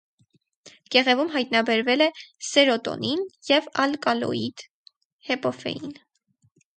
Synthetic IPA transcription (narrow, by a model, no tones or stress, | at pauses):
ɡ̥ɛʁɛvumɦɑjt̪nɑbɛɾvɛlɛsɛɾɔt̪ɔ̰ninjɛvɑlkɑlɔ̰id̪̥ | hɛpɔfɛ̰jin